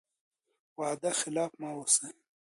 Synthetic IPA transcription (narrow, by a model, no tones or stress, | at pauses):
waːd̪axɪlaːfmaːwose